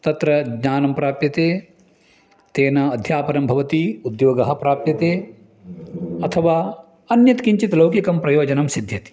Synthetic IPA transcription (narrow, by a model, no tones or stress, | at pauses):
t̪ɐt̪ɾɐɡɲaːnɐmpɾaːpjɐt̪eː | t̪eːnɐːd̪ʱjaːpɐɾɐmbʱɐʋɐt̪iud̪joːɡɐɦɐpɾaːpjɐt̪eː | ɐt̪ʰɐʋaː | ɐnjɐt̪kiɲt͡ʃit̪lɐwkikɐmpɾɐjoːd͡ʒɐnɐmsid̪ʱjɐt̪i̥